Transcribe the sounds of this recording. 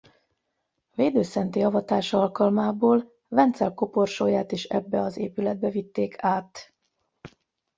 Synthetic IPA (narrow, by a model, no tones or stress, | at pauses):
veːd̪øːsɛnt̪iɒvɒt̪aːʃɒlkɒlmaːboːl | vɛnt̪sɛlko̞po̞rʃoːjaːt̪eːʃɛ̰bːɛɒzḛːpylɛd̪̚bɛvit̪ːeːkʰaːt̪